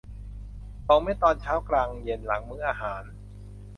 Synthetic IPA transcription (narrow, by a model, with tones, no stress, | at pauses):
t̪ɔ˧ma˥˩jt̪ɔː˧nt͡ɕʰaː˦˥wklaː˧ŋje˧nla˩˦ŋmɯː˦˥ʔaː˧ɦaː˩˦n